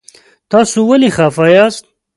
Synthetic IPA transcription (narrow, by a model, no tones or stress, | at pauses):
t̪ɑːsuwɐlixaːfajaːst̪̚